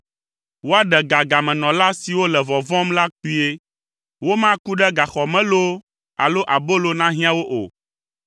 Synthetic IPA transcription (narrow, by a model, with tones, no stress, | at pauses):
wo˦a˦ɖɛ˨ɡa˨ɡa˨mɛ̃˨nɔ̃˨la˦si˨wo˦lɛ˨vɔ˨vɔ̃˦mla˦k͡pi˦e˦ | wo˦mã˦ku˦ɖɛ˦ɡa˨xɔ˨mɛ̃˦lo˦ | a̰˨lo˦ʔa˨bo˦lo˦nã˦ɦĩ˦ã˦wo˦ʔo̰˨